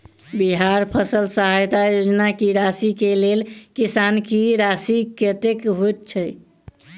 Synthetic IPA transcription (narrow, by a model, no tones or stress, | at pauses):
biɦaɾpʰəsəlsəɦajt̪ajod͡ʒnakiɾasikelelkisankiɾasikeʈekɦojt̪̚t͡ʃʰə